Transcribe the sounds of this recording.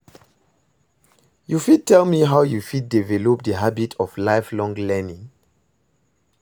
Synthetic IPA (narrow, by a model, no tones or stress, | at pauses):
jufid̚tɛlmiɦaʊjufid̚divɛlɔp̚dəɦabitʰɔvlaɪflɔ̃ŋlɛnĩŋ